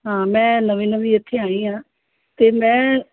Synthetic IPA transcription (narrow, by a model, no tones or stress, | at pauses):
ɦãːmɛ̃ːnəʋĩːnəʋiːɪt̪ʰːeːaːĩːɦãː | t̪eːmɛ̃ː